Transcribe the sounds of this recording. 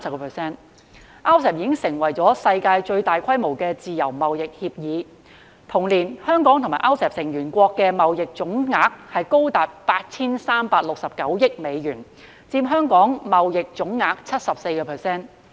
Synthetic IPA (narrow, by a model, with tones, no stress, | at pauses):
sɐ˧kɔː˧pʰə˨˩sɛː˥n | ʔaː˥wsɛː˨p̚jiː˨˧˥ɪ˥ŋsɪ˨˩ŋwɐ˨˩jt͡sɔː˨˥sɐ˧jkaː˧jt͡ʃɵ˧ɥt̪aː˨jkʰɐ˥jmo˨˩wkɛː˧t͡siː˨jɐ˨˩wmɐ˨wjɪ˨k̚hiː˧p̚jiː˨˧ | t̪ʰʊ˨˩ŋliː˨˩nhœː˥ŋkɔː˨˥ŋt̪ʰmaː˨˩ʔaː˥wsɛː˨p̚sɪ˨˩ŋjyː˨˩nkʷɔː˧kːɛː˧mɐ˨wjɪ˨k̚t͡sʊ˨˥ŋŋaː˨k̚hɐ˨jko˥wt̪aː˨t̚paː˧t̚t͡sʰiː˥nsaː˥mpaː˧k̚lʊ˨k̚sɐ˨p̚kɐ˨˥wjɪ˥k̚me˨˧jɥyː˨˩n | t͡siː˧pɦœː˥ŋkɔː˨˥ŋmɐ˨wjɪ˨k̚t͡sʊ˨˥ŋːaː˧k̚t͡sʰɐ˥t̚sɐ˨p̚se˧jkɔː˧pʰɛ˨sɛː˥˩n